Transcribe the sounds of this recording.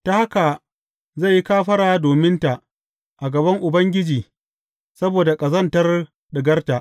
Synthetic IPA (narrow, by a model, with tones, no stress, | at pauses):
ta˦ha˦ka˨ | za˦˨ji˦kaː˦ɸɐ˦ɽaː˨doː˨mɪ˦nta˨ʔ | ʔa˨ɡɐ˨bɐ˦ŋʔʊ˨bɐ˦ŋɡʲɪ˦d͡ʒiː˨ | sɐ˦boː˨da˨kʼɐ˨zɐ˦˨ntɐ˦r | ɗɪ˨ɡɐ˦rta˨ʔ